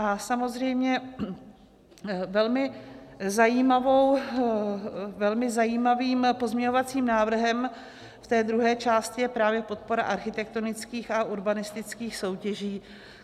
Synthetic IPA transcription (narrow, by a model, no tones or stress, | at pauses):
ʔasamo̞zrɛjmɲɛ | vɛlmɪzajiːmavo̞w | vɛlmɪzajiːmaviːmpo̞zmɲɛɲo̞vat͡siːmnaːvr̩ɦɛm | ft̪ɛːd̪ɾuɦɛːt͡ʃaːscɪjɛpɾaːvjɛpo̞t̪̚po̞ɾaʔaɾxɪt̪ɛk̚t̪o̞nɪt͡skiːxaʔuɾbanɪst̪ɪt͡skiːxso̞wcɛʒiː